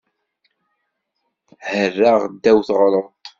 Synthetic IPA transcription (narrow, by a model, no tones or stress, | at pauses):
hərːaʁd̪ːæwθʁɾˤət̪ˤ